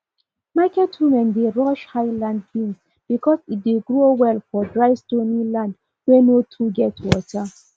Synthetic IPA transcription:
makɛtwumɛ̃ndeɹɔʃhaɪlãnd̚ɡĩns | b̥ikɔsit̚deɡɹowɛlfɔdɹaɪstonilãnd | wenotʰuɡɛtwɔ̰ta

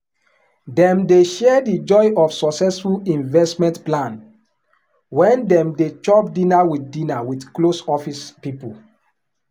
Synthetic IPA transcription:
dɛ̃mdeʃɛdid͡ʒɔɪɔfsɔksɛsfulĩnvɛstmɛ̃ntplãn | wɛ̃ndɛ̃mdet͡ʃɔpdĩnawitdĩnawidklosɔfispipul

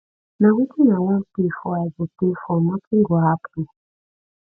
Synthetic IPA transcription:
nakutʰinawapifɔazipifɔmapʰiŋɡɔapi

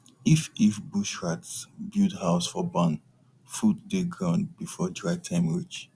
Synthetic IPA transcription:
ififbuʃɹatsbidhaʊsfɔbãn | fuddeɡɹɔ̃nbifɔdɹaɪtʰãɪ̃mɹit͡ʃ

